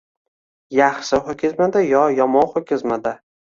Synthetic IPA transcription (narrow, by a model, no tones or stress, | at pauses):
jaχʃɪχʊkʲʰɪzmad̪ajɒjɒmɒwχʊkʲʰɪzmad̪a